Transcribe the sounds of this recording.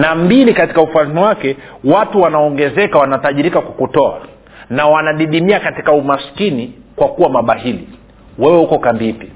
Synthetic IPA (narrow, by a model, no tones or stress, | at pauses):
nambilikati̥kaufaliniwakɛ | watuwanaɔŋɡɛzɛkawanataʄiɾikakwakutɔa̰ | nawanaɗiɗimiakati̥kaumaskini | kwakuwamaɓahili | wɛwɛhukɔkambiipi